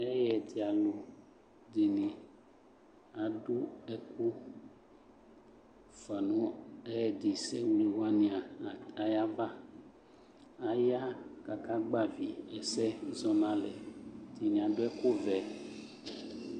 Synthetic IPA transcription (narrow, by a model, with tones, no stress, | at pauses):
ɛ˦jɛ˨d̪i˨a˨lo˨ | d̪e˨nĩ˨ | a˨ɖu˦ɛ˦ku˦ | fa˨nũ˦ɛ˦˨d̪i˨sɛ˦wu˨le˨wa˦nĩ˨a˨a˨ja˦va˦ | a˨ja˦ka˨ka˦ɡ͡ba˦vi˨ɛ˨sɛ˦zɔ˨nã˦lɛ̰˨d̪i˨nĩ˨a˨ɖo˦ɛ˦ko˦vɛ˨